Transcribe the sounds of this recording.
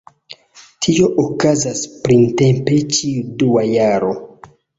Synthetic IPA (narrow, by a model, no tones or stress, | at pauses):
tʰio̞ʔokazaspɾintempe̞t͡ʃiuduajaɾo̞